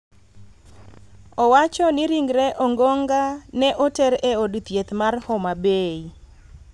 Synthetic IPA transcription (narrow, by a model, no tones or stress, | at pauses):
ɔwat͡ʃɔnɪɾiŋɡɾɛʔɔŋɡɔŋɡanɛʔotɛɾeodt̪jet̪marhɔmabei